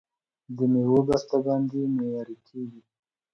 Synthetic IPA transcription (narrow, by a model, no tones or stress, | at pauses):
d̪əmewobast̪abɑnd̪imejɑɾikʰeɡi